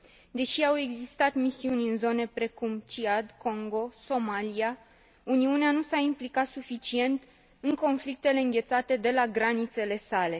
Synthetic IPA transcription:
d̪e̞ʃiawe̞ɡzist̪at̪misiunʲɨnzo̞ne̞pɾe̞kumt͡ʃiad̪ko̞ŋɡo̞so̞malia | uniuneanusaimplikat̪sufit͡ʃie̞nt̪ | ɨŋko̞nflik̚t̪e̞le̞ɨŋɡʲe̞t̪sat̪e̞d̪e̞laɡɾanit̪se̞le̞sale̞

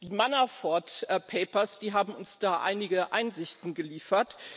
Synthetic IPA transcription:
d̥iːmanafɔɐtːpʰeɪpɐsd̥iːɦaːbm̩ʊnsd̥aːʔa̰ɪnɪɡəʔa̰ɪnzɪçtn̩ɡəliːfɐt

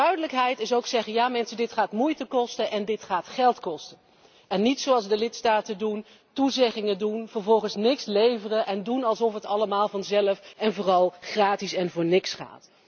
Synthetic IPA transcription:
d̥œɥdələkɦɛjtɪsowksɛχənjaːmɛnsədɪtχaːtmujtəkɔstənʔɛndɪtχaːtχɛlˠtkɔstə | ɛnːitsowɑlˠzdəlɪtstaːtədun | tuzɛχɪŋədunv̥ərvɔlˠχənsnɪkslejvərənʔɛndunɑlˠsɔfətɑləmaːlˠvɑnzɛləfɛnvʊːrɑlˠχraːtisɛnvʊːɹnɪksχa̰ːt

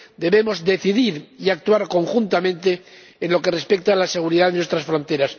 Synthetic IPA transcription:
d̪e̞βe̞mo̞zd̪e̞θiðiɾiak̚t̪uaɾko̞ŋxunt̪amẽ̞nt̪eː | nlo̞ke̞re̞spek̚t̪aːlase̞ɣ̞uɾiðaðenwest̪ɾasfɾo̞nt̪e̞ɾas

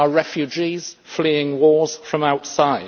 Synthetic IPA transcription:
əɹɛfjʉd͡ʒiz̥fliːɪ̃ŋwɔːz̥fɹə̃maʊtsaɪ

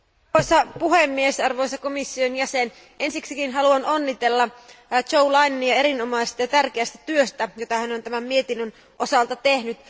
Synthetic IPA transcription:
ojsɑpuɦemːiesɑrʋojsɑkomisːionjæsen | ʔe̞nsiksikinɦɑluɑno̞nːit̪e̞lːɑt͡ʃoulɑjneniɑe̞ɾinomɑjsest̪ɑjɑt̪ærk̟eæst̪æ̥t̪yøst̪æjot̪ɑhænont̪æmæmmiet̪inːøn | ʔo̞sɑlt̪ɑt̪e̞hnyt̪

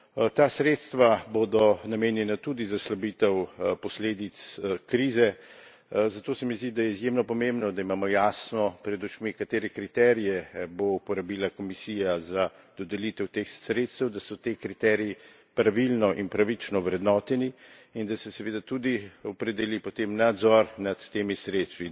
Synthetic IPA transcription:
t̪asɾeːt̪st̪ʋabod̪ɔnameːnjɛnat̪ud̪izaslabiːt̪ɛwpɔsleːd̪it̪skɾiːzɛ | zat̪oːsɛmizd̪id̪ajɛizjemnɔpɔmẽmbnɔd̪aimaːmɔjaːsnɔpɾɛd̪ut͡ʃmikat̪eːɾɛkɾit̪ɛɾijɛboupɔɾabilakɔmisiːjaza | d̪̥ɔd̪ɛlit̪ɛwt̪eːxsɾeːt̪st̪ɛwd̪asɔt̪ekɾit̪ɛɾiji | pɾaʋilnɔʔinpɾaʋit͡ʃnɔʋɾɛd̪nɔːt̪ɛni | ind̪asɛsɛʋeːd̪at̪ud̪iɔpɾɛd̪ɛlipot̪emnad̪zɔɾnat̪ːeːmisɾet̪st̪ʋi

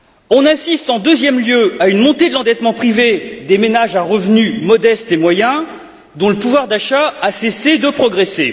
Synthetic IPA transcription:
ɔ̃nasist̪ɑ̃d̪øzjɛmljøaynmɔ̃t̪ed̪əlɑ̃d̪ɛt̪mɑ̃pχived̪emenaʒaʁəvnymɔd̪ɛst̪emwajɛ̃ | d̪ɔ̃ləpuvwaʁd̪aʃaːsesed̪əpχɔɡʁese

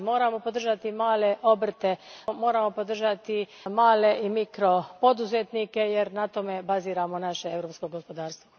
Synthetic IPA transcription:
mo̞ːɾamo̞po̞d̪r̩ʒat̪imaːle̞ʔo̞br̩t̪e̞mo̞ːɾamo̞pod̪r̩ʒat̪i | maːle̞ʔimikɾo̞po̞d̪uzet̪nike̞je̞ɾnat̪o̞me̞baziːɾamo̞naʃeevɾoːpsko̞ɡospo̞d̪aːɾst̪ʋo

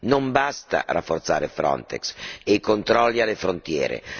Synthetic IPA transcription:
nombast̪a̰ra̰fːort̪saːɾefɾɔ̰nt̪ɛ̰kseikont̪ɾɔlːialefɾont̪jɛ̰ːɾḛ

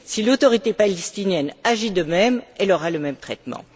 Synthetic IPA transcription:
silot̪ɔʁit̪epalɛst̪injɛnaʒid̪əmɛmɛlɔʁaləmɛmt̪χɛt̪mɑ̰̃

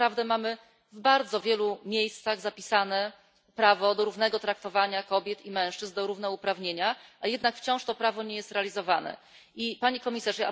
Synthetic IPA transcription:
ɾavd̪ɛmamɘ | vbaɾd̪zɔvʲjɛlumʲjejst̪saɣzapʲisanɛ | pɾavɔd̪ɔɾuvnɛɡɔt̪ɾak̚t̪ɔvaɲakɔbʲjɛt̪imɛ̃w̃ʂt͡ʂɘzd̪ɔɾuvnɛupɾavɲeɲaajɛd̪nakft͡ɕɔ̃w̃ʂt̪ɔpɾavɔɲejɛst̪ɾɛalʲizɔvanɛ̰ | ʔipaɲikɔmʲisaʐaa

